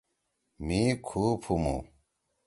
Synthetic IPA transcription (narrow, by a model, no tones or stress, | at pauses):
mikʰuːpʰumṵ